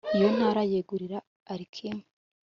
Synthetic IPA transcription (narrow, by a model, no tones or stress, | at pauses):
ijon̥haːɾajeːɡuɾiɾaː | ɾikʰime̥